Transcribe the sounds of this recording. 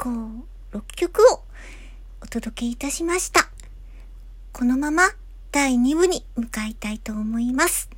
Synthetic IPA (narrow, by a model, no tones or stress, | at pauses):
koː | ɾo̞kʲːo̞kɯ̟o | ot̪o̞d̪o̞ke̞it̪aɕimaɕi̥t̪a | ko̞no̞mama | d̪̥aiɲ̟iβɯ̟ɲ̟imɯ̟kait̪ait̪o̞ːmo̞imasɨ̥